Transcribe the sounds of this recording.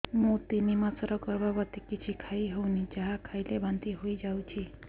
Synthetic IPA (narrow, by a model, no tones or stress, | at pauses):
mũt̪inimãsɔɾɔɡɔɾbabɔt̪ikit͡ʃʰikʰaiɦonid͡ʒaɦakʰajlebant̪iɦoid͡ʒawt͡ʃʰi